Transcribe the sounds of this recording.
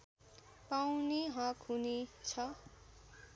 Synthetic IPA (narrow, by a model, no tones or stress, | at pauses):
pawneɦʌ̃kɦunet͡sʰʌ